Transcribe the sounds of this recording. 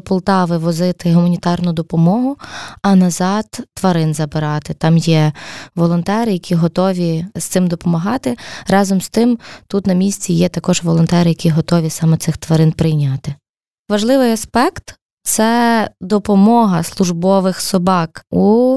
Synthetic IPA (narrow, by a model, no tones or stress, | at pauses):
pɔlˠt̪ɑʋɪʋɔzɪt̪ɪɦʊmɐnʲit̪ɑrnʊd̪ɔpɔmɔɦʊɐnɐzɑt̪ːʋɐɾɪnzɐbɪɾɑt̪ɪt̪ɑmjɛʋɔlˠɔnt̪ɛɾɪjɐkʲʰiɦɔt̪ɔʋʲist̪sɪmd̪ɔpɔmɐɦɑt̪ɪɾɑzɔmst̪ɪmt̪ut̪nɐmʲisʲt͡sʲijɛt̪ɐkɔʒʋɔlˠɔnt̪ɛɾɪjɐkʲiɦɔt̪ɔʋʲisɑmɛt̪ɪxt̪ʋɐɾɪnpɾɪjnʲɑt̪ɪ | ʋɐʒlˠɪʋɪjɐspɛkt̪ | t̪sɛd̪ɔpɔmɔɦɐslˠʊʒbɔʋɪxsɔbɑku